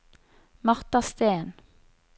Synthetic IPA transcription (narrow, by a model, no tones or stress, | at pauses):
mɑʁt̪ɑst̪eːn